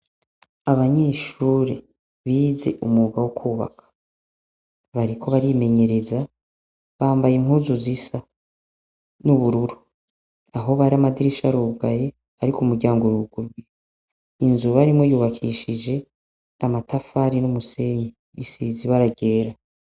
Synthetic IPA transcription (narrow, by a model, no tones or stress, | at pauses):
aβaɲe̞ːʃuːɾḛ | βiːze̞̰ʔumuɡawokʰuːβa̰kʰḁ | βaɾikʰo̞βaɾime̞ɲe̞ɾe̞za | βaːmbajiŋhuːzuzisa | nuβuɾuɾu | aɦo̞βaɾiamadiɾiʃaɾuɡaje | aɾikumuɾɟaːŋɡoɾuɡuɾɡwi | inzuβaɾimŋo̞juːβakʰiʃid͡ʒe̞ | amatʰafaɾinumuse̞ɲe | isiziβaɾaɡɟe̞ːɾa